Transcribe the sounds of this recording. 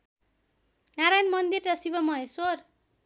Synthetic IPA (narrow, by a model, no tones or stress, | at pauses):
naɾajnmʌnd̪irːʌsibʌmʌɦesor